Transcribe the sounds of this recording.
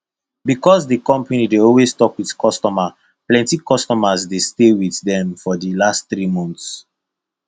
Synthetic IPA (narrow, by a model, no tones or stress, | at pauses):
bikɔs̬dəkɔ̃mpanideɔlwestɔkwiðkʰɔstɔma | plɛ̃ntikɔstɔmazdestewiθdɛ̃mfɔdəlastθɾimɔ̃nθs